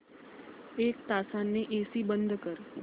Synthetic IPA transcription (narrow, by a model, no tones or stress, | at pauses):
ek̚t̪asanːeʔesiːbənd̪ʱkəɾ